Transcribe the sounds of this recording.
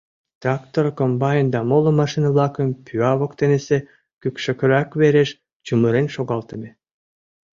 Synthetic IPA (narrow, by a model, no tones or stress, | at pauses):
t̪rɑkt̪orkombɑjnd̪ɑmolˠə̆mɑʃinəβlˠɑkə̆mpʲʰyɑβokt̪enese | kykʃø̆kø̆ɾækβeɾeʃ | t͡ɕumɯɾenʃoɣɑlˠt̪ə̆mʲe